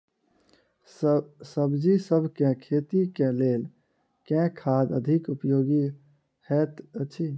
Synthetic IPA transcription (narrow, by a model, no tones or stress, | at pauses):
səbd͡ʒisəbʱkẽkʰeːt̪ikẽleːl | kɛ̃kʰad̪əd̪ʱikupjoːɡi | hɛt̪ət͡ʃʰi